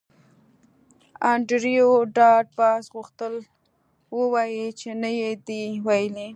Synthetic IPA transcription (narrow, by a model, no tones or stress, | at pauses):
ɑɳɖɾijoɖɑɖ̚bɑsɣʊxt̪əl | wəwɑjit͡ʃenajed̪iwajəli